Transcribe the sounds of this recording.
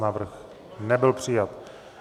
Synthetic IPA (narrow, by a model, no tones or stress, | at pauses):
naːvr̩x | nɛbɪlpr̝̥ɪjat̪